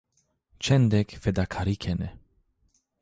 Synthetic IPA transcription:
t͡ʃɛnd̪ɛkfɛd̪akʰaɾikʰɛnɛ

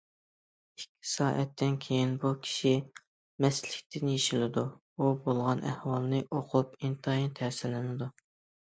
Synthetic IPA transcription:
i̥kʲʰːi̥sɑːʔɛt̪ʰːɪnkʲʰejinbukʲʰi̥ʃi | mɛslɪkʲt̪ʰɪnjeʃilɪd̪u | ubolˠʁɑnʔæhwɑlˠnɨʔoqʰupint̪ʰɑjint̪ʰæɾsɪlɪnɪd̪u

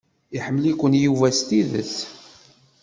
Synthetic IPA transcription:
iħəmːlikʷənjuvæst̪iðə̰θ

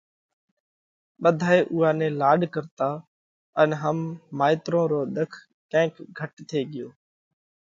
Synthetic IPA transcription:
ɓəd̪ʱaːeːʔʊɦaːnẽːlaːɗkəɾt̪aː | ənɦəmːaːɪt̪ɾõːɾoːɗ̪əkʰ | kɛ̃ɪ̃kɡʱəʈt̪ʰeːɠɪjoː

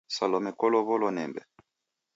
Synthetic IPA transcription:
salɔmɛkɔlɔβɔlɔnɛ̰mbɛ̰

